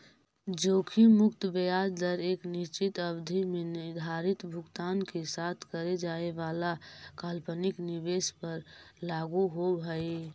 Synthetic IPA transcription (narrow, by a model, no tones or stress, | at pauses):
d͡ʒoːkʰimʊkt̪bəjaːɾd̪əɾeːknɪʃt͡ʃɪt̪əbd̪ʱimenɪɾd̪ʱaːɾɪt̪bʱʊɡt̪aːnkesaːt̪ʰkəɾed͡ʒaːeʋaːlakaːlpənɪknɪʋeːspəɾlaːɡuɦoɦəe